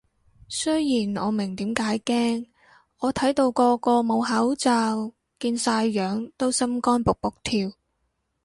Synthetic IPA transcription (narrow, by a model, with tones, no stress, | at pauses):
sɵ˥jjiː˨˩nɔː˨˧mɪ˨˩ŋt̪iː˨˥mkaː˨˥jkɛː˥ŋ | ɔː˨˧t̪ʰɐ˨˥jt̪o˧wkɔː˧kɔː˧mo˨˧wɦɐ˨˥wt͡saː˧w | kiː˧nsaː˧jːœː˨˥ŋt̪o˥wsɐ˥mkɔː˥npʊ˨k̚pʊ˨k̚t̪ʰiː˧w